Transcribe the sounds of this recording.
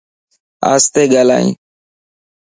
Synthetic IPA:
a̰ːst̪eːɡala̰ːḭ̃ː

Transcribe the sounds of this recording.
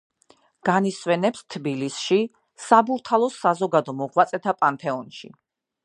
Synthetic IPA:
ɡ̥aniswɛnɛpst̪ʰbilisʃi | sabuɾt̪ʰalˠɔsazɔɡad̪ɔmɔʁwat̪sʼɛt̪ʰapʼant̪ʰɛɔnʃḭ

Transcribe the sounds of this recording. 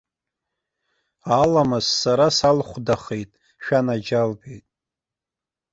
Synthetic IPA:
alamɨzːaɾasalχʷdaχejtʼ | ʃᶣanad͡ʒalbejtʼ

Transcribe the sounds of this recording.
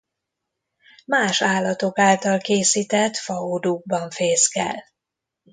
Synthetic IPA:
maːʃaːlːɒt̪o̞kaːlt̪ɒlkeːsit̪ɛt̪fɒoːd̪uɡ̚bɒɱfeːskɛ̰l

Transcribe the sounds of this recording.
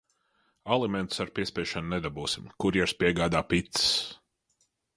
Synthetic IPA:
alˠimɛnt̪u̥saɾpʲiɛspʲɛɛʃannɛd̪abuːsimkuɾjɛɾspʲiɛɡaːd̪aːpit̪ss

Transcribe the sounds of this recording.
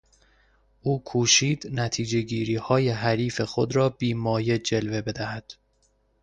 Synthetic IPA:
ʔuːkʰuːʃiːd̪næt̪ʰiːd͡ʒe̞ɟiːɾiːhɒːje̞ɦæɾiːfe̞xo̞d̪ɾɒːbiːmɒːje̞d͡ʒe̞lve̞be̞d̪æhæd̪̥

